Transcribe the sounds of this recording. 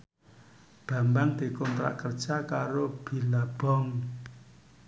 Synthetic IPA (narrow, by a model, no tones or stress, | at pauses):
b̥a̤mbaŋd̪̥i̤kɔnt̪ɾa̰ʔkərd̥ʒ̥akaɾob̥i̤lab̥ɔ̤ŋ